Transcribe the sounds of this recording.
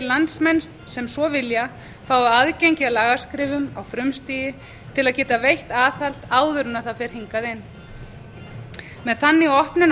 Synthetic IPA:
lant̪smɛn | sɛmsvɔvɪlja | faːwaaðcejɲcɪalaːɣaɾ̥skɾɪːvʏmawfɾʏmst̪iːjɪ | t̪ʰɪlaðcɛːt̪avejht̪aːθal̥t̪aːwðʏɾnaθafɪɾ̥hiŋkaðɪn | mɛðθanːɪiɔhpnʏn

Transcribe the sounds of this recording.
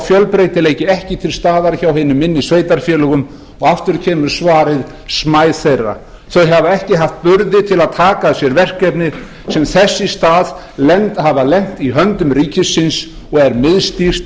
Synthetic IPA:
fjœlpɾejt̪ɪleːjcɪɛhcɪt̪ʰɪlst̪aːðaɾçawɦɪnʏmɪnːisveːjt̪aɾ̥fjɛːlʏɣʏm | ɔɣaft̪ʏɾcʰɛːmʏɾ̥svaːɾɪð | smaːjθejra̰ | θœɦavaɛhcɪɦaft̪̚pʏɾðɪt̪ʰɪlaðt̪ʰaːkasjɛɾvɛr̥kɛpnɪ | sɛmθɛsːɪst̪aːð | lɛnt̪havalɛn̥t̪iɦœnt̪ʏmɾiːcɪsːɪns | ɔɣɛɾmɪðst̪ir̥t̪

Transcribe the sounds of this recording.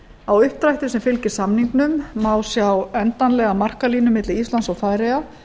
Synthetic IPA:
awʏhp̚t̪ɾajht̪ʏsɛmfɪlcɪɾ̥samniŋknʏmːaːwsjawɛnt̪anlɛɣamar̥kaliːnʏmɪt̪lɪɾist̪lansaɣfaːjɾeja

